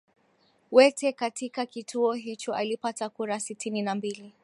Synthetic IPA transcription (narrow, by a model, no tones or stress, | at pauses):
wɛtɛkatikakitʰuɔɦit͡ʃɔʔalipatakuɾasitʰininambili